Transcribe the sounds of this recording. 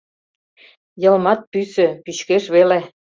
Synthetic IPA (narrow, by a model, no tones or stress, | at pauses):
jɤ̆lmɑt̪̚pysø̆pyɕkeʃβele